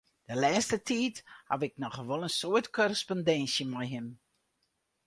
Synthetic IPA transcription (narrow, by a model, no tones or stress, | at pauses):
d̥əlɛːstətʰiːtha̰vɪk̚nɔxʋolˠənsoətkʰɔrəspondɛnsjəmɛjɦɪm